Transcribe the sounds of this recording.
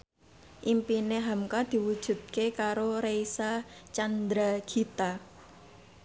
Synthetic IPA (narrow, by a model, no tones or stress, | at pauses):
ʔimpineɦamkad̪̥i̤wud̥ʒ̥ṳt̪̚kekaɾoɾeisat͡ʃand̪ɾaɡ̥i̤t̪a